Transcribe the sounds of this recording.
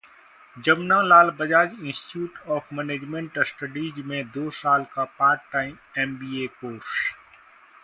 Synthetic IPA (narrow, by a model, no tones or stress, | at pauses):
d͡ʒɐbnãlaːlbɐd͡ʒaːd͡ʒɪ̃nsʈɪ̥ʈjuːʈɔːfʰmɛːneːd͡ʒmɛ̃ɳʈsʈəɖiːd͡ʒmẽd̪oːsaːlkapaːɾk̚ʈːaːɪmɛːmbiːeːkoːɾs